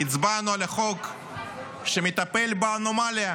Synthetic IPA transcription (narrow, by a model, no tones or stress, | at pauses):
it͡sbanualaχok | ʃemit̪apelbaːnomalia